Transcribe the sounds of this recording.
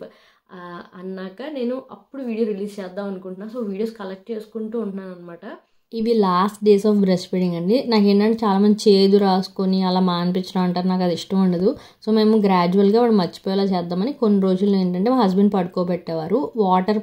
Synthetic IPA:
ɐnːaːkɐne̞ːnuʔɐpːuɽuʋiːɽijoːɾiliːst͡ʃɛːd̪ːaːmɐnukuɳʈunːaːsoːʋiːɽijoːskɐlɐk̚ʈt͡ʃe̞ːsu̥kuɳʈuuɳnaːnɐnːɐmaːʈɐ | iʋilaːsʈ̚ɖeːsɔːfɡɾesʈpeɽiŋɡɐɳɖinaːkeɳɖɐɳɖit͡ʃaːlaːmɐnd̪it͡ʃe̞ːd̪uɾaːsu̥koniɐlaːmaːnipiɲt͡ʃːɐɽɐmɐɳʈaːɾunaːk̬ɐd̪iʂʈɐmuɳɖɐd̪u | so̞ːme̞ːmuɡɾaːd͡ʒuɐlɡaːʋaːɽumɐt͡ʃːi̥pɔːjaːlaːt͡ʃɛːd̪ːaːmɐniko̞nːiɾo̞ːd͡ʒulːoːeɳʈɐɳʈeːmaːɦɐsbɐɳɖpɐɽukoːpɛʈːɛːʋaːɾuʋaːʈɐɾ

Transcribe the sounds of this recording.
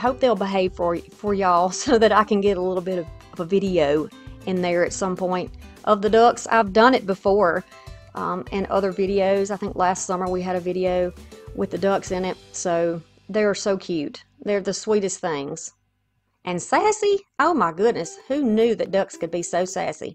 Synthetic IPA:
ɦoʊp̚ðeɪlˠbəɦeɪv̥fə˞fə˞jɔlˠsoʊðɨɾaɪkɨ̃nɡɛɾəlɪɾl̩ˠbɪɾʌvʌvəvɪɾioʊɨ̃nðə˞ɨtsʌ̃mpʰɔ̃ɪ̃nt̚ʔʌvðɨdʌksa̰ɪvdʌ̃nɨt̚b̥ɨfɔɹ | ʔʌ̃mɨ̃nʔʌ̰ðə˞vɪɾioʊzaɪθɪ̃ŋklæstsʌmə˞wiɨɾɨvɪɾioʊwʔɨðɨdʌksɨ̃nɪt̚soʊ | ðeːsoʊkʰj̥ʉt̚ðə˞ðɨswiɾɨsθɪ̃ŋz̥ | ʔɨ̃nsæsiʔoʊmaɪɡʊdⁿnɨshʉnjʉðɨt̚d̥ʌkskɨd̚bisoʊsæ̰sḭ

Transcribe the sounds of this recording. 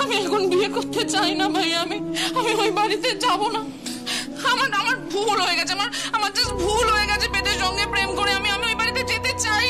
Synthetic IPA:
amiɛkʰonbiekoɾt̪et͡ɕajnabʱajamiamiojbaɾit̪et͡ɕabona | amaɾamaɾbʱulɦojeɡɛt͡ɕʰeamaɾamaɾd͡ʑesbʱulɦoeɡɛt͡ɕʰebet̪eɾd͡ʑɔŋɡepɾemkoɾeamiamiojbaɾit̪ed͡ʑet̪et͡ɕaj

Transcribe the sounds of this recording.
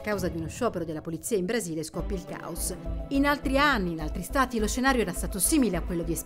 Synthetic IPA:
kːawzad̪iunoʃːɔːpeɾod̪elapolit̪sːiːaimbɾaziːleskɔpːilka̰osinalt̪ɾianːinalt̪ɾist̪aːt̪ilosʃːenaːɾjoɛːɾast̪aːt̪osiːmileakːwelːod̪ies

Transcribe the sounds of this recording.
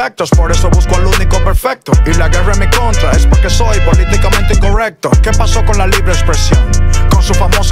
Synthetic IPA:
ek̚t̪ospo̞ɾeso̞βuskoaluniko̞pe̞ɾfek̚t̪oilaɣe̞ramiko̞nt̪ɾaespoɾke̞so̞jpo̞lit̪ikamẽnt̪̬ekorek̚t̪oke̞paso̞ko̞nlaliβɾeːkspɾe̞sjo̞ŋko̞nsufamos

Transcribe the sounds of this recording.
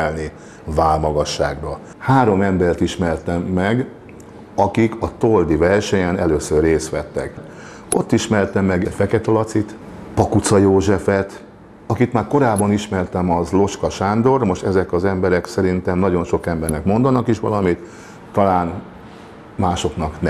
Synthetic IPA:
ɛlni | vaːlmɒɡɒʃːa̰ːɡbɒ | haːɾo̞mɛmbɛrt̪iʃmɛrt̪ɛmːɛɡ | ɒkikɒt̪old̪ivɛrʃɛɲɛnɛløːsørːeːst̪ʋɛt̪ːɛ̰k | o̞t̪ːiʃmɛrt̪ɛmːɛɡɛfɛkɛt̪ɒlɒt̪sit̪ | pɒkut̪sɒjoːʒɛfɛt̪ | ɒkit̪maːrko̞ɾaːbːɒniʃmɛrt̪ɛmɒzlo̞ʃkɒʃaːnd̪o̞rmo̞ʃt̪ɛzɛkɒzɛmbɛɾɛksɛɾint̪ɛmnɒɟo̞nʃo̞kɛmbɛrnɛkmo̞nd̪ɒnɒkiʃʋɒ̰lɒmit̪ː | ɒlaːn | maːʃo̞knɒknɛ

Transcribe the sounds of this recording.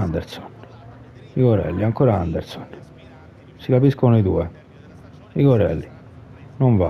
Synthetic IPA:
and̪ɛɾsɔ̥n | iɡɔɾɛ̰lːiaŋkɔːɾaand̪ɛɾsɔn | sikapiskonoid̪uːɛ | iɡɔɾɛ̰lːi | noɱva̰

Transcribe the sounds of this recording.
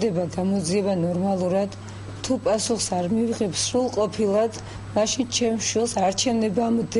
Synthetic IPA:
d̪ɛbaɡamɔd̪ziɛbanɔɾmalˠuɾad̪̥ | t̪ʰupʼasuχsaɾmiviʁɛpsɾulˠqʼɔpʰilˠad̪ | maʃint͡ʃʰɛmʃwilˠsaɾt͡ʃʰɛvnɛbamɔd̪

